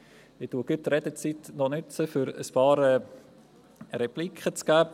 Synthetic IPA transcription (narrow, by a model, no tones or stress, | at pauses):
ɪtuəkʏt̪ɾɛdət͡sitnɔnʏt͡səfʏɾə̰spɑːɾɛ | ɾɛplikχət͡sɡ̥æː